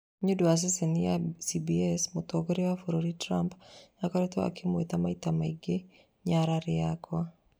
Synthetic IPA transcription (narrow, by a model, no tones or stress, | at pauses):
ɲudwas̬ɛsenijasibiɛsmot̪oɡɔɾewafoɾoɾitɾampjakɔɾɛt̪oa̰kʰɪmwet̪amait̪amaiɡe | ɲaɾaɾɪakwa